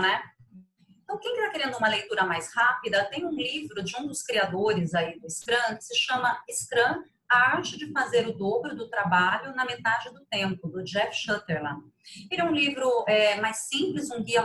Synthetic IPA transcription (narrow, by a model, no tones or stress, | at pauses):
nɛ | eẽt̪ɐ̃w̃kẽj̃kɪt̪akeɾẽnd̪ʊũmɐlejt̪uɾɐmajshapid̪ɐt̪ẽj̃ũlivɾʊd͡ʒɪũd̪ʊskɾiad̪oɾɪzaid̪ʊɪskɾɐ̃kɪ̥sɪʃɐ̃mɐɪskɾɐ̃ | aɾt͡ʃɪd͡ʒɪfazeɾʊd̪obɾʊd̪ʊt̪ɾabaʎʊnɐmet̪ad͡ʒɪd̪ʊt̪ẽmpʊd̪ʊd͡ʒɛfʃɐt̪eɾlɐ̰̃ | elɛũlivɾʊɛmajsːĩplɪzũɡiɐ